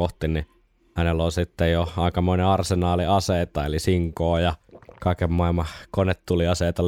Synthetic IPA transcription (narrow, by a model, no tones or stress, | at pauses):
oht̪inni | hænelolsit̪ːejjoɑˑikɑmoˑineɑrsenɑːliɑseˑːt̪ɑelisiŋkoːjɑkɑˑikemmɑˑilmɑkonet̪t̪uliɑseːt̪ɑ